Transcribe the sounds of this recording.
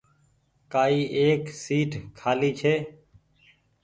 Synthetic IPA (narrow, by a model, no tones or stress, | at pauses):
kaːiːʔeːksiːʈʰkʰːaːliːt͡ʃʰeː